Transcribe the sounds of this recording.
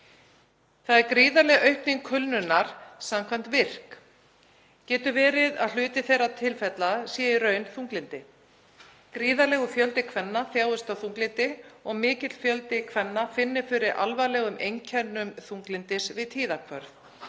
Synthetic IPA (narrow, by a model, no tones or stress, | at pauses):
θaðɛɾkɾiːðalɛɣœɥhpniŋkʰʏlnʏnaɾ̥samkʰvam̥t̪vɪr̥k | cɛːt̪ʏvɛːɾɪðaðl̥ʏːt̪ɪθejɾat̪ʰɪlfɛt̪lasjɛːɪɾœːɥnθuŋklɪnt̪ɪ | kɾiːðalɛɣʏfjœlt̪ɪkʰvɛnːaθjaːwʏst̪awθuŋklɪnt̪ɪɔɣmɪːcɪt̪l̥fjœlt̪ɪkʰvɛnːafɪnːɪ̥fɪɾɪɾʔa̰lvalɛːɣʏmʔejncʰɛnːʏmθuŋklɪnt̪ɪsvɪðt̪ʰiːðakʰvœɾθ